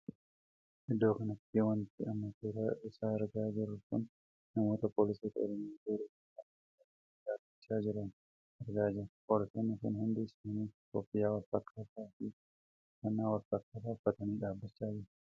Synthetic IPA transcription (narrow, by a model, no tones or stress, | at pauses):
ʔɪd̪ːo̞ːkɐnɐt̪ːiwɐnt̪ːɪɐmːɐteːɾɐʔɪsaːɛɾɡaːd͡ʒɪɾːʊkʊnː | ɐmo̞ːt̪ɐpoːlɪseːt̪ɐɔ̰ɾɔmɪaːɡoːɾɪːkɪafɐ | ɐt̪ɐiːᶑaːbːɪt͡ʃːaːd͡ʒɪɾɐn | ɛɾɡaːd͡ʒɪɾpoːlɪseːnːɪkʊnhʊnd̪ɪːsmɐniːkopːɪjaːwɐɾfɐkʰːɐt̪aːfi | kɐnːaːwɐɾfɐkːɐd̪aːfːɐt̪ɐniːᶑaːbːɐt͡ʃːaːd͡ʒɪɾ